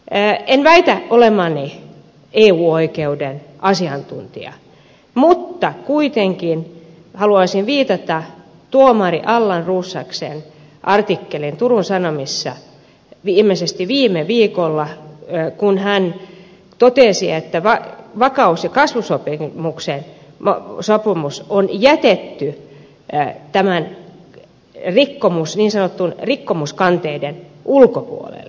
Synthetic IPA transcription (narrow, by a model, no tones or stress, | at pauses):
enʋæit̪æʔolemɑni | eːuːoikeuden | ʔɑsiɑnt̪ṵnt̪ḭɑ̰ | mut̪ːɑkuit̪eŋkin | hɑluɑsinʋiːt̪ɑt̪ɑ | t̪uomɑrḭʔɑlːɑnruːsːɑ̰ksḛn | ʔɑrt̪ikːelint̪urunsɑnomisːɑ̰ | ʋiːmːˑesest̪iʋiːmeʋiːkolːɑkunhæn | t̪ot̪esiet̪ːæʋɑʋɑkɑusjɑkɑsʋusopimuksen | m̰sopimusonjæt̪et̪ːy | t̪æmæn | rikːomusniːnsɑnot̪ːunrikːomuskɑnt̪eidenʔulkopṵo̰lḛlː